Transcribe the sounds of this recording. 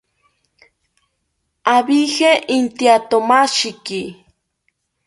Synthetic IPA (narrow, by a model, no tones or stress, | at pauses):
abixeʔint̪jat̪omaʃiki